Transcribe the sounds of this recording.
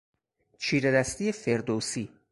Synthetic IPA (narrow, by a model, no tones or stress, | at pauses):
t͡ʃʰiːɾeɾæst̪iːefeɾd̪oːsiː